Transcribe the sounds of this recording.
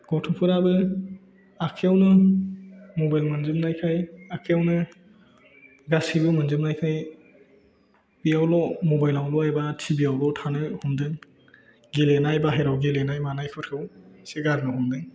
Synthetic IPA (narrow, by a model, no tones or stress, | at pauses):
ɡ̥ɔtʰuŋpʰɯɾabɯ | akʰejawnɯ | mobajlmɯnzɯmnajkʰajakʰejawnɯ | ɡasibɯmɯnzɯmnajkʰaj | b̥ijawlɔmɔbajlawlɔajbatʰibijawlɔtʰanɯhumdɯŋ | ɡilenajbaɦeɾawɡilenajmanajkʰɯɾkʰɯwseɡaɾnɯhumdɯŋ